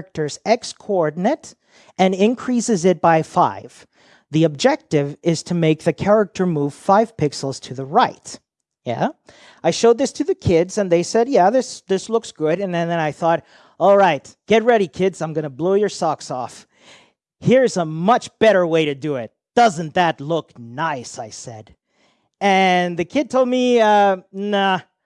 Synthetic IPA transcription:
k̚tə˞zɛkskʰɔɹdⁿn̩ɨɾ | ɨ̃nɪ̃nkʰɹ̥isɨzɨt̚b̥aɪfa̰ɪv̥ | ðiɨb̚d͡ʒɛk̚tɪvɪz̥tʰɨmeɪk̚ðɨkʰɛɹɨk̚tʰə˞muv̥faɪv̥pʰɪksl̩ˠz̥tʰɨðəɹaɪt | jæ̰ | aɪʃoʊd̪̚ðɪstʰɨðɨkʰɪdzɨ̃nðeɪsɛd̚jæðɪsðɪslʊksɡ̥ʊɾɨ̃nðɨ̃nðɨ̃ñaɪθɔɾ | ɔlˠɹaɪt̚ɡ̥ɛt̚ɹɛɾikʰɪdzãɪ̃mɡʌnəbloʊjə˞sɑksɔ̰f | hiɹɨzəmʌt͡ʃb̥ɛɾə˞weɪɾɨdɨɪt̚d̥ʌzɨ̃n̩ðɨtˡlʊknaɪsaɪsɛ̰d̥ | ɨ̃nðɨkʰɪd̚tʰoʊlˠd̚miʌnʌ

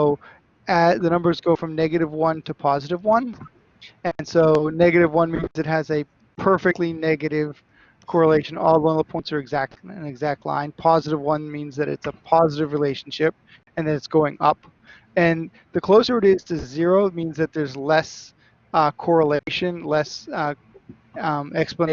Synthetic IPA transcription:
ʊ | ɨðɨnʌ̃mbə˞zɡoʊfɹʌ̃mnɛɡɨɾɨvwʌ̃ntʰɨpʰɑzɨɾɨvwʌ̃n | ɨ̃nsoʊnɛɡɨɾɨvwʌ̃nmĩnzɨt̚ɦɨzɨ | pʰɜ˞fɨk̚tˡlinɛɡɨɾɪv̥ | kʰɔɹəleɪʃɨ̃nɔlˠbwʌ̃nðəpʰɔ̃ɪnsə˞ɨɡzæk̚tɨ̃nɨɡzæk̚tˡlã̰ɪ̃npʰɑzɨɾɨvwʌ̃nmĩnzðɨɾɨ̰tsəpʰɑzɨɾɨvɹileɪʃn̩ʃɪp̚ | ɨ̃nðɨɾɨtsɡ̥oʊɪ̃ŋʌ̰p | ɨ̃n | ðɨkʰl̥oʊsə˞ɨɾiz̥tʰɨzɪɹoʊmĩnzðɨt̪̚ðə˞zlɛs | kʰɔɹəleɪʃɨ̃nlɛs | ɛksplən

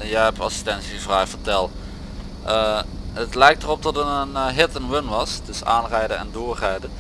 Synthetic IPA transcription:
njəɛpɑ̰si̥stɛntsiəvraːfətɛlˠ | ʔəɦətlɛjk̚tərɔp̚dɔtənənɦɪtənʋɪnʋɑsdəsa̰ːnrɛjdənɛ̰ndʊːɹrɛjdə

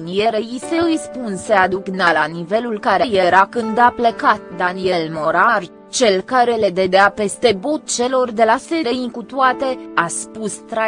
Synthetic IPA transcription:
nije̞ɾeise̞ɨjspunse̞ad̪uknalanive̞lulkaɾeje̞ɾakɨnd̪aplekat̪d̪anie̞lmo̞ɾar | t͡ʃe̞lkaɾe̞le̞d̪e̞d̪eape̞st̪e̞bo̞t̪̚t͡ʃe̞lo̞rd̪e̞lase̞ɾeikut̪uat̪e̞aspust̪ɾa

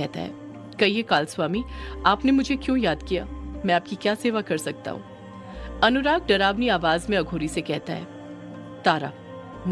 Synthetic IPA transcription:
ɛɦt̪a̰ɦɛ̰ː | kɐiekaːlswaːmiaːpnemʊd͡ʒʱekjõːjaːd̪kija̰ːmɛ̃aːp̚kikjaːseːʋakɐɾsɐk̚t̪a̰ɦṵ̃ː | ɐnʊɾaːk̚ɖɐɾaːʋniaːʋaːzmẽɐɡʱoːɾisekɛɦt̪aɦɛ̰ː | t̪aːɾa̰ː | m

